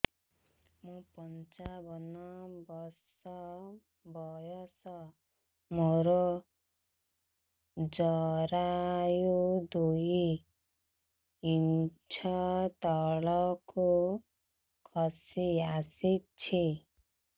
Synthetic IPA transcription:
mupʌnt͡sabʱʌnɔbʌsʌ | bʱɔjɔsʌ | moɾo | d͡zʌɾajud̪uji | int͡sʰat̪ʌɭɔku | kʰʌsiasit̪̚t͡sʰi

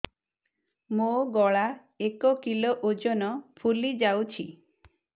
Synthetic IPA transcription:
moɡɔɭa | ekɔkiloʔod͡ʒɔnɔpʰulid͡ʒawt͡ʃʰi

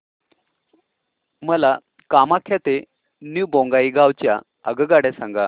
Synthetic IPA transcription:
məla | kamakʰjat̪e | njubõŋɡaiɡawt͡ɕja̰ | ə̰ɡəɡaɽɛsãŋɡa

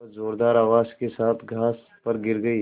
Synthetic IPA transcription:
zoːɾd̪aːɾaːʋaːzkesaːt̪ʰɡʱaːs | pɐɾɡɪɾɡɐiː

